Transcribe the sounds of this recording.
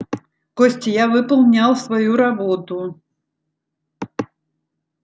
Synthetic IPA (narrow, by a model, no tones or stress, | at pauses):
kɔsʲt͡sʲijavɨpɐlˠnʲawsvajuɾabɔt̪u